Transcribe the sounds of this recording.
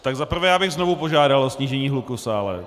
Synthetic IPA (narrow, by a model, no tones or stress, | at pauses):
t̪aɡzapr̩vɛːjaːbɪɣznovupo̞ʒaːdalʔosɲiːʒɛɲiːɦlukusaːlɛ̰